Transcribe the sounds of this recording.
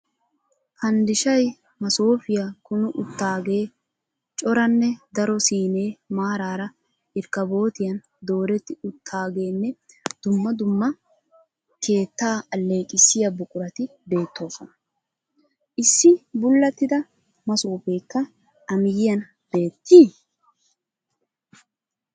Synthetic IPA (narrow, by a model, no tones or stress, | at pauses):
hɐnd̪ɪʃɐj | mɐsoːfɪjakʊnʊʔʊt̪ːaːɡe̞ː | t͡ʃʼɔɾɐnːɛd̪ɐɾɔsiːne̞ːmaːɾaːɾɐ | ɪɾkɐbo̞ːt̪ɪjɐn | d̪o̞ːɾɛt̪ːɪʊt̪ʰːaːɡe̞ːnːɛ | d̪̥ʊmːɐd̪ʊmːɐ | kʰe̞ːt̪ːaːɐlːe̞ːkʼɪsːɪjɐbʊkʼʊɾɐt̪ɪ | be̞ːt̪ːo̞ːsɔnɐ | ʔɪsːɪbʊlːɐt̪ːɪd̪ɐ | mɐsuːpe̞ːkːɐ | ɐmɪjɪjɐn | be̞ːt̪ːiː